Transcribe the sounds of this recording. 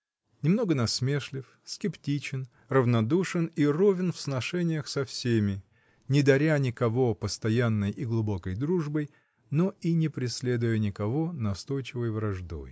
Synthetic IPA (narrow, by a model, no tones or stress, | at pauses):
nʲɪmno̞ɡənɐsmʲe̞ʂlʲɪf | skʲɪptʲit͡ɕɪn | rəvnɐd̪uʂɨnirovʲɪnfsnɐʂɛnʲɪjəxsɐfsʲemʲɪ | nʲɪd̪ɐɾʲanʲɪkɐvo̞pəst̪ɐjanːəjiɡlˠʊbo̞kəjd̪ɾuʐbəj | noinʲɪpɾʲɪsʲlʲe̞d̪ʊjənʲɪkɐvonɐst̪o̞jt͡ɕɪvəjvɾɐʐd̪o̞̰j